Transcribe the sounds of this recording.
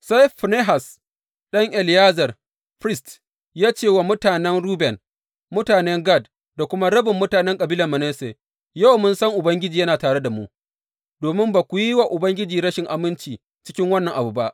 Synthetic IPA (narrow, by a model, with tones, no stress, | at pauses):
sa˦jɸne˦ɦa˨s | ɗɐ˦ŋʔɛ˨ljaː˦zɐ˨r | ɸɾɪ˦st | jaː˦t͡ʃeː˦˨wa˨mʊ˦taː˨nɛ˦nɽuː˦bɛ˨n | mʊ˦taː˨nɛ˦ŋɡa˦˨d | da˨kʷʊ˦ma˦ɽɐ˦bɪ˨mːʊ˦taː˨nɛ˦ŋkʼɐ˨biː˦lɐ˨mɐ˨nɛ˦se˨ | ja˦wmʊ˦nsɐ˦ŋʔʊ˨bɐ˦ŋɡʲɪ˦d͡ʒiː˨jɐ˦naː˨taː˨ɽe˦da˨mu˦ʔ | d̥oː˨mɪ˦mbaː˨kʷu˨ji˦wa˨ʔʊ˨bɐ˦ŋɡʲɪ˦d͡ʒiː˨ɽɐ˦ʃɪ˨ŋʔa˨mɪ˦nt͡ʃiː˨ | t͡ʃɪ̥˦kʲɪ˦ŋwɐ˦nːɐ˨ŋʔa˨bu˨ba˦ʔ